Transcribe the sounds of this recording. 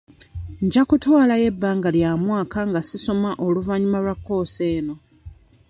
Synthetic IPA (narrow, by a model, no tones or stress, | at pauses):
ɲɟakutwaːlaje̞bːaːŋɡaljamwaːkaŋɡasiso̞maʔo̞luvaɲumalwakːo̞ːse̞ːno̞